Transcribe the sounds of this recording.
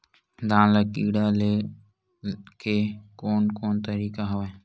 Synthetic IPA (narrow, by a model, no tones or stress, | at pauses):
d̪ãːnlakiːɽaːleː | kʰeːkoːnkoːnt̪əɾiːkaɦoʋeː